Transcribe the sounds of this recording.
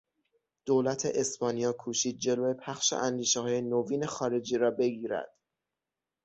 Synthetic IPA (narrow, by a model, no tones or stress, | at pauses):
d̪̥oːlæt̪ʰḛʔespɒːnijɒːkʰuːʃiːd̪̚d͡ʒe̞loːe̞pʰæxʃḛʔænd̪iːʃehɒːje̞noviːne̞xɒːɾe̞d͡ʒiːɾɒːbe̞ɡiːɾæ̰d̪̥